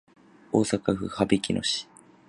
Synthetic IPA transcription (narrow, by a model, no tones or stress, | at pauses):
oːsakaɸɯ̟̰habekʲinʔo̞̰ɕi̥